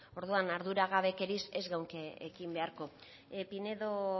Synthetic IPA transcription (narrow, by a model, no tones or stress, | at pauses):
o̞ɾðuanaɾðuɾaɣaβe̞ke̞ɾise̞zɣawŋkeekimbe̞aɾko̞ | pine̞ðo̞